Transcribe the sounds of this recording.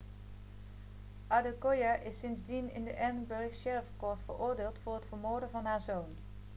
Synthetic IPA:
ʔadəkojaʔɪsɪnzdinɪ̰ndəʔɛɹnbɵɹkʃɛɹəfkɔɹtfəɹʊːɹdɪːlˠtfʊːɹɦətfəɹmoːɹdənvɑnɦaːɹzown

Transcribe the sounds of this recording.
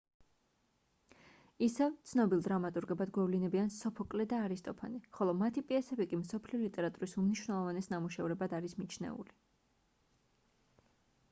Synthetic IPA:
isɛvt̪sʰnɔbilˠd̪ɾamat̪ʼuɾɡɛbad̪ɡwɛvlinɛbiansɔpʰɔkʼlɛd̪aːɾist̪ʼɔpʰa̰niχɔlˠɔmat̪ʰipʼiɛsɛbikʼimsɔpʰliɔlit̪ʼɛɾat̪ʼuɾisumniʃwnɛlˠɔvanɛsnamuʃɛvɾɛbad̪aɾismit͡ʃʰnɛ̰ṵli

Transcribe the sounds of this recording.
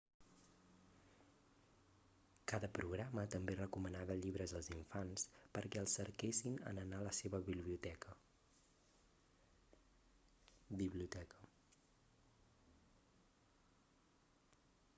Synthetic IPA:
kaðəpɾuɣɾamət̪əmberəkumənaβəʎiβɾəzəlˠziɱfanspəɾkɛəlˠsəɾkesinə̰nənaləseβəβiβliut̪ɛkə | biβliut̪ɛkə

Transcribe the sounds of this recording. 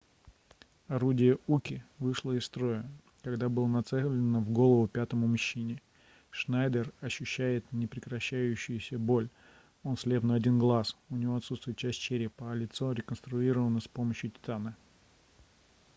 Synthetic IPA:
ɐɾudʲɪjəukʲɪvɨʂlˠəɪst̪ɾo̞jə | kɐɡd̪abɨlˠənɐt̪sɛlʲɪnəvɡo̞lˠəvʊpʲat̪əmʊmʊɕːinʲɪ | ʂnajd̪ərɐɕːʉɕːæjɪt̪nʲɪpɾʲɪkɾɐɕːæjʉɕːɪjʊsʲəbo̞lʲ | o̞nslʲe̞vnəɐdʲinɡlˠasʊnʲɪvo̞ɐt̪sut̪st̪vʲʊjət̪t͡ɕæsʲt̚ʲt͡ɕɪɾʲepəɐlʲɪt̪so̞ɾʲɪkənst̪ɾʊiɾəvənəspo̞məɕjʊtʲɪ̥t̪anə

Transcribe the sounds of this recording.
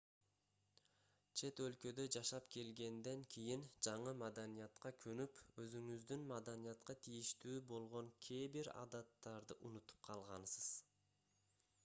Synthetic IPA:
t͡ʃʰe̞t̪ø̞lkø̞d̪ø̞d͡ʒɑʃɑpke̞lɡe̞nd̪e̞ŋkʰʲijind͡ʒɑɴɯmad̪anijɑt̪qɑkʰønypø̞zyŋyzd̪ynmad̪anijɑt̪qɑt̪ʰijiʃt̪yːbo̞lˠʁo̞ŋkʲʰe̞ːbiɾɑ̰d̪ɑt̪ːɑɾd̪ɯʔunut̪u̥p̚qʰɑlˠʁɑnsɯz̥

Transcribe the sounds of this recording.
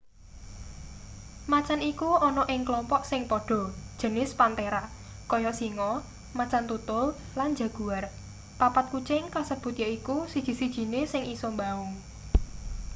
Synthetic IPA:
mat͡ʃanikuɔnɔʔɪŋklɔmpɔʔsɪŋpɔɖ̥ɔ̤d̥ʒ̥ə̤nɪspant̪eɾaʔ | kɔjɔʔsiŋɔ | mat͡ʃant̪ut̪ʊl | land͡ʒa̤ɡ̥ṳar | papat̪̚kut͡ʃɪŋkasəb̥ṳt̪jaikusid̥ʒ̥i̤sid̥ʒ̥i̤nesɪŋʔisɔmbaʊŋ

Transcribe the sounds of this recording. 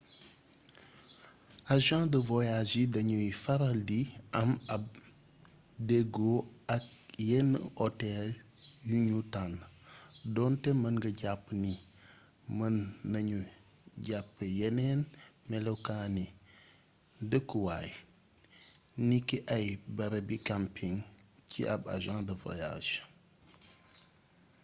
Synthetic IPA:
aʒãdəvojad͡ʒidɐɲufaɾaldiɐmɐb̚ | deɡoɐk̚jenotɛl | juɲutan | dɔntɛmɐnɡɐɟapːni | mɐnːɐɲu | ɟapːəjenenmelekani | dəkuwaj | nikːiʔajbɐɾɐbikampʰiŋcḭʔa̰ba̰ʒãːdəvo̰ja̰ʃ

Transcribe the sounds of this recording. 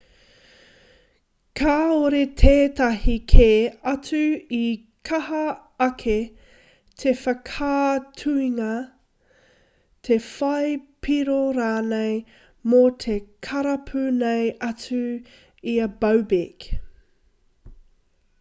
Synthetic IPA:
kʰaːoɾet̪ʰeːtɐɦikʰeɐt͡sʉi | kʰɐɦɐ | ɐkʰe | tʰefɐkʰaːtʰʉiŋɐ | t̪ʰe̞fɐjpʰiɾoɾaːnej | mot̪ʰe̞kʰɐɾɐpʰʉnejɐt͡sʉ | iɐbɐwbek

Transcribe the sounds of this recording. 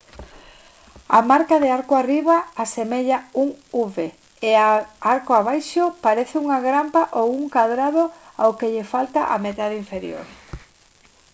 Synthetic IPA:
amaɾkaðeaɾkwariβaasemeʎauŋuβe | eaaɾkwaβajʃopaɾeθɪuŋaɣɾampaʔowuŋkaðɾaðoawkeʎefalt̪aʔa̰met̪aðiɱfeɾjo̰ɾ

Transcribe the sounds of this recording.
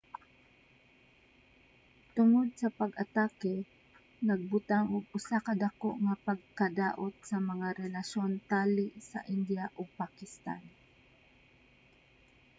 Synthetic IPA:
t̪ʊŋod̪̚sɐpaɡʔat̪aːkɛ | nɐɡ̚bʊt̪aŋʊɡ̚ʊsakad̪akoʔŋapaɡ̚kad̪aːʔot̪̚sɐmɐŋaɾɛlaʃont̪aːlɪʔsa̰ʔɪnd̪jaʔʊɡ̚pakɪst̪a̰n

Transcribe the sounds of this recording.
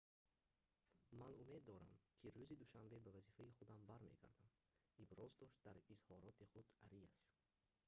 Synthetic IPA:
manume̞d̪ːɔɾa̰mkʰiɾuzid̪uʃambe̞bavazifaiχud̪ambaɾme̞̰ɡa̰ɾd̪am | ibɾɔzd̪ɔʃt̪̚d̪aɾizhɔɾɔt̪ʰiχud̪aɾiast̪

